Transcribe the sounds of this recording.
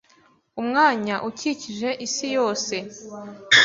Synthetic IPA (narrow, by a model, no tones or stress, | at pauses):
umŋaːɲaʔuciciʒe̞ʔisijo̞ːse̞